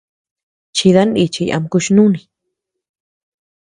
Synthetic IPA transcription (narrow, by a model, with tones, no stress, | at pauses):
t͡ʃi˧ða˦ni˧t͡ʃi˧a̰˧mku˧ʃnũ˦nĩ˨